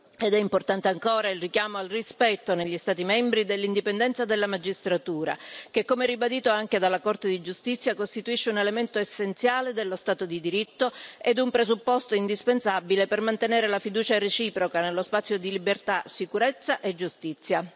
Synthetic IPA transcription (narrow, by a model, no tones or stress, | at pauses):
ed̪ɛimport̪ant̪eaŋkoːɾailrikjaːmoalrispɛt̪ːoneʎːist̪aːt̪imɛmbɾid̪elːind̪ipend̪ɛnt̪sad̪elːamad͡ʒist̪ɾat̪uːɾa̰k̟ekːomeɛrːibad̪iːt̪oaŋk̟ed̪alːakort̪ed̪id͡ʒust̪it̪sːjakost̪it̪uiʃːeunelement̪oesːent̪sjaːled̪elːost̪aːt̪od̪id̪iɾit̪ːoed̪umpɾezupːost̪oind̪ispensabilepermant̪eneːɾelafid̪uːt͡ʃaɾet͡ʃiːpɾokanelːospat̪sːjod̪ilibert̪asikuɾet̪sːaʔed͡ʒust̪it̪sːja